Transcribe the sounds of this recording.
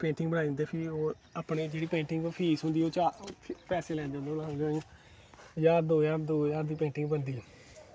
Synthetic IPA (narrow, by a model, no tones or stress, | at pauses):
pẽːɳʈɪŋɡbəɽaːid̪nd̪eːpʰɪoː | aːpɳeːd͡ʒeːɽiːpẽːʈɪŋɡpʰiːsɦʊ̃nd̪iːoːt͡ʃaːpɛːseːlɛ̃ːnd̪eõːnd̪eolaɡãːj | jaːɾd̪oːjaːd̪oːjaːɾd̪iːpẽːɳʈɪ̃ŋɡbənd̪iːoː